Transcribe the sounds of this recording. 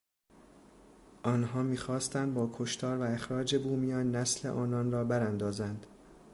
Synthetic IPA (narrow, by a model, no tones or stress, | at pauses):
ʔɒːnɦɒːmiːxɒːst̪ænd̪̚bɒːkʰoʃt̪ʰɒːɾvæe̞xɾɒːd͡ʒe̞buːmijɒːnːæsle̞̰ʔɒːnɒːnrɒːbæɾænd̪ɒːzænd̪̥